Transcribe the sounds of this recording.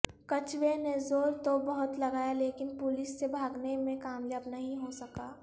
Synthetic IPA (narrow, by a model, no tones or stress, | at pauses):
kɐt͡ʃwenezoːɾt̪obɐɦʊt̪lɐɡaːjaleːkɪnpʊlɪsːebʱaːɡnemẽkaːmljəbnɐɦĩɦosɐkaː